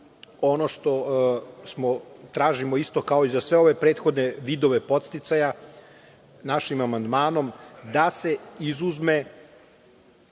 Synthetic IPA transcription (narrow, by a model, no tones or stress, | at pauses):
o̞noʃt̪o̞smot̪ɾaːʒimoist̪o̞kaoizasʋe̞o̞ʋe̞pɾe̞ːt̪xo̞d̪neʋiːd̪o̞ʋe̞po̞t̪st̪it̪saja | naʃimamand̪maːno̞md̪ase̞izuzme